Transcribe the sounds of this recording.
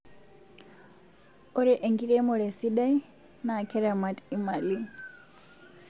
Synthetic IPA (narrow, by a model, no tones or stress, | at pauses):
ɔɾɛʔeŋɡiɺɛmɔɾɛsiɗaj | naːkʰɛɾamatʼimali